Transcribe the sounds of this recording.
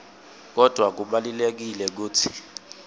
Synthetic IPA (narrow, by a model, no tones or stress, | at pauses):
k̬ɔd̥ʱwak̬uɓalilek̬ilɛk̬uːtʰi̥